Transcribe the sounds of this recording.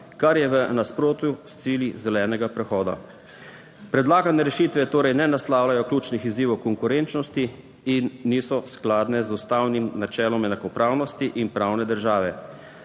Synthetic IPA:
kaɾjɛʋənaspɾoːt̪just̪siːljizɛlɛːnɛɡapɾɛxɔːd̪a̰ | pɾɛd̪laːɡanɛɾɛʃit̪ʋɛt̪oːɾɛjnɛnaslaːwlajɔkluːt͡ʃnixiziːʋɔwkɔŋkuɾent͡ʃnɔst̪i | inːiːsɔsklaːd̪nɛzust̪aːwnimnat͡ʃɛːlɔmɛnakɔpɾaːwnɔst̪iʔinpɾaːwnɛd̪əɾʒaːʋɛ

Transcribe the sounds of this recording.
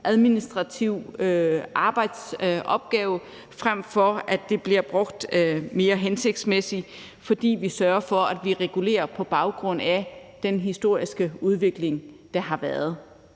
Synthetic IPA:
ʔæð̞ˠminisd̥ʁɑ̈t͡sʰiʊ̰øʔɑ̈ːb̥ɑ̈ɪ̰d̥sʔɒ̽b̥̚ɡ̥ɛːʊ | fʁam̰fɒæd̥e̝b̥liɐb̥ʁɔ̽ɡ̥d̥me̝ːɐɦense̝ɡ̥̚d̥smesi | fɒ̽d̥ḭːʋisɶːɐɐfɒ̽æd̥ʋiʁɛɡ̥ule̝̰ːɐpʰɒ̽b̥ɑ̈ʊɡ̥ʁɔ̽n̰æd̥enɦisd̥o̝ɐ̰isɡ̥əuð̞ˠʋe̝ɡ̥le̝ŋ | d̥ɑ̈ɦɑ̈ʋæːɐð̞̩ˠ

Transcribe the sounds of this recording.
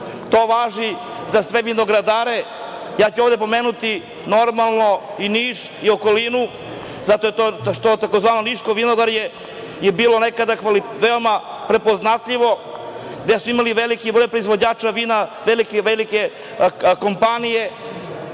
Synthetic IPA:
t̪oːʋaːʒi | zasʋeʋino̞ɡɾad̪aːɾe̞ | jaːt͡ɕuoʋd̪e̞po̞meːnut̪i | no̞ɾmalˠno̞iniːʃ | io̞ko̞linu | zat̪oet̪oʃt̪ot̪akozʋaːnoniʃkoʋinoɡaɾje | jebiːlˠo̞ne̞kad̪akaliʋeo̞ma | pɾe̞po̞znat̪ʎiʋo̞ɡd̪e̞suimaliʋelikibɾojpɾoizʋod͡ʑaːt͡ʃaʋinaʋelikeʋelike | ko̞mpanije̞

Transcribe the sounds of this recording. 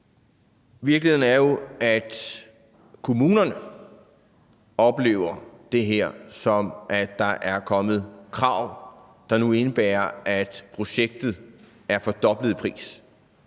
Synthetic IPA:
ʋiɐɡ̥lihe̝n̩æɐjo̝æd̥ | kʰo̝muːnɐnə | ɒ̽b̥le̝̰ːʊɐd̥e̝ɦeɐ̰sɒ̽mʔæd̥ːɑ̈ʔæɐkʰɒ̽mð̩ˠkʰʁɑ̈ʊ̰ | d̥ɑ̈nue̝nəb̥æːɐʔæd̥pʰʁo̝ɕeɡ̥̚d̥ð̩ˠ | æɐfɒ̽d̥ɒ̽b̥ləð̩ˠpʰʁḭːs

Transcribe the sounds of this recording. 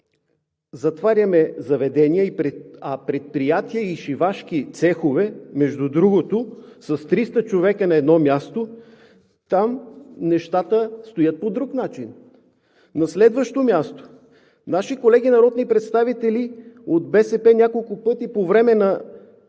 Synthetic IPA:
zɐt̪vaɾʲɐmɛzɐvɛd̪ɛniəipɾɛɐpɾɛt̪̚pɾijat̪iəiʃivaʃk̟it̪sɛxovɛmɛʒd̪ud̪ɾuɡot̪osɐst̪ɾist̪ət͡ʃovɛkənɐɛd̪nɔmʲjast̪o | t̪amnɛʃt̪at̪əst̪ojət̪̚pod̪ɾuknat͡ʃin | nɐslɛd̪vəʃt̪omʲjast̪o̥ | naʃikolɛɡ̟inɐɾɔd̪nipɾɛt̪st̪avit̪ɛliod̪̚bɛsɛpɛnʲakolˠkʊpɤt̪ipovɾɛmɛnɐ

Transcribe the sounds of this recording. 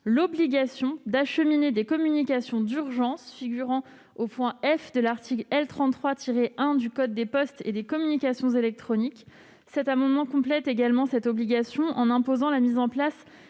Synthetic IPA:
lɔbliɡasjɔ̃d̪aʃəmined̪ekɔmynikasjɔ̃d̪yʁʒɑ̃sfiɡʲyʁɑ̃ | opwɛ̃ɛfd̪əlaʁt̪ʰiklɛlt̪χɑ̃t̪ːχwat̪ʰiʁeʔɛ̃d̪ykɔd̪ːepɔst̪ḛd̪ekɔmynikʲasjɔ̃zelɛk̚t̪χɔnik | sɛt̪amɑ̃d̪mɑ̃kɔ̃plɛt̪eɡalmɑ̃sɛt̪ɔbliɡʲasjɔ̃ʔɑ̃nɛ̃pozɑ̃lamizɑ̃plas

